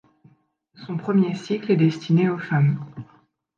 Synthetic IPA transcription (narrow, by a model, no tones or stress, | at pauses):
sɔ̃pχəmjesiklɛd̪ɛst̪ʰineofam